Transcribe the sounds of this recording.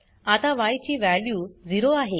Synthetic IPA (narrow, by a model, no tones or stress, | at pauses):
at̪aʋajt͡ɕiːʋæljuːd͡ziɾoaɦe